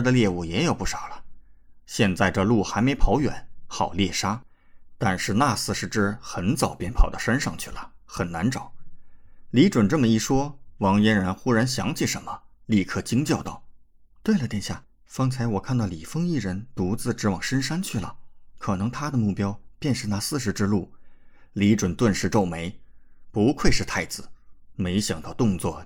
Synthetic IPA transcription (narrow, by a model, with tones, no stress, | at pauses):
d̪ə˧ljɛ˥˧u˥˩jɛ˧˥jo˨˩ʊpu˥˩ʂɑ˨˩ʊlə˦ɕjɛ˥˧nt͡sa˥˧ɪʈ͡ʂɤ˥˧lu˥˩xa˧˥ɪme˧˥ɪpʰɑ˧˥ʊjɥɛ̰˨˩˦nxɑ˨˩ʊljɛ˥˩ʂa˥ | t̪a˥˧nʂɻ̩˥˧na˥˧sɹ̩˥˧ʂɻ̩˥ʈ͡ʂɻ̩˥˩xə˧˥nt͡sɑ˨˩ʊpjɛ˥npʰɑ˨˩ʊd̪ə˦ʂa˥nʂɑ˥˧ŋt͡ɕʰy˥˩lə˩xə˨˩nna˧˥nʈ͡ʂɑ˨˩˦ʊ | li˧˥ʈ͡ʂwə˨˩nʈ͡ʂɤ˥˩mə˩i˥˩ʂwɔ˥wɑ˧˥ŋjɛ˥nɻə˧˥nxu˥ɻa˧˥nɕjɑ˧˥ŋt͡ɕʰi˥˩ʂə˧˥nmə˧li˥˧kʰɤ˥˩t͡ɕi˥ŋt͡ɕjɑ˥˧ʊt̪ɑ˥˩ʊ | t̪we˥˩ɪlə˩t̪jɛ˥˧nɕja̰˥˩ | fɑ˥ŋt͡sʰa˧˥ɪwɔ˨˩kʰa˥˧nt̪ɑ˥˩ʊli˨˩fɤ˥ŋi˥˩ɻə˧˥nt̪u˧˥t͡sɹ̩˥˧ʈ͡ʂɻ̩˧˥wɑ˨˩ŋʂə˥nʂa˥nt͡ɕʰy˥˩lə̰˩kʰɤ˨˩nɤ˧˥ŋt̪ʰa˥d̪ə˨mu˥˩pjɑ˥ʊpjɛ˥˧nʂɻ̩˥˩na˧˥sɹ̩˥˧ʂ̬ɻ̩˧˥ʈ͡ʂɻ̩˥˧lu˥˩li˧˥ʈ͡ʂwə˨˩nt̪wə˥˧nʂɻ̩˥˧ʈ͡ʂo˥˩ʊme˧˥ɪpu˧˥kʰwe˥˧ɪʂɻ̩˥˧t̪ʰa˥˩ɪt͡sɹ̩˩˦me˧˥ɪɕjɑ˨˩ŋt̪ɑ˥˧ʊt̪ʊ˥˧ŋt͡swɔ˥˩